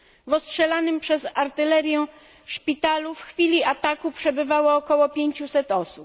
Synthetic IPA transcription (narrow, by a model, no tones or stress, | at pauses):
vɔstʂɛlanɘmpʂɛzaɾt̪ɘlɛɾʲjɛ | ʂpʲit̪alufxfʲilʲiat̪akupʂɛbɘvawɔːkɔwɔpʲjeɲt͡ɕusɛt̪ɔsup